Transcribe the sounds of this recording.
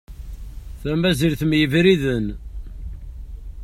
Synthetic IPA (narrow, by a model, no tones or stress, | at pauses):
θæmæziɾθmjəvɾiðən